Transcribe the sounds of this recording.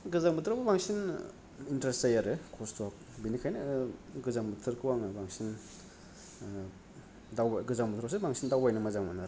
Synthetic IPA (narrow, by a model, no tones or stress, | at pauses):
ɡɯzaŋbɯt̪ʰɾababaŋsin | intɾesajaɾɯkʰɔstʰwak̚ | binikʰajnɯɡɯzaŋbɯtʰɯɾkʰɯwaŋabaŋsin | dawaɡɯzaŋbɯt̪ʰɾs̬ebaŋsindawbajnamazaŋmanaɾ